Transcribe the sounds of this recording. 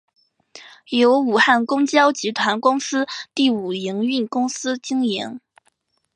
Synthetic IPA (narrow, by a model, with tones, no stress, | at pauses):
jo˧˥ʊu˨˩xa˥˩nkʊ˥ŋt͡ɕjɑ˥ʊt͡ɕi˧˥t̪ʰwa˧˥nkʊ˥ŋsɹ̩˥t̪i˥˩u˨˩i˧˥ŋy˥˩nkʊ˥ŋsɹ̩˥t͡ɕi˥ŋjɛ˧˥n